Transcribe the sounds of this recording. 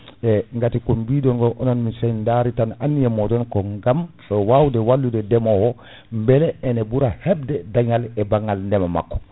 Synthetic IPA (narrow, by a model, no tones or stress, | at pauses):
ɛŋɡatikumbiːdɔnɡɔʔɔnɔnmisajndaɾitananːijɛmɔdɔnkɔŋɡamfɛwawdɛwalːudɛdɛmɔwɔ | mbɛlɛɛnɛbuɾahɛb̚dɛdaɲalɛbaŋɡalndɛmama̰kːɔ̥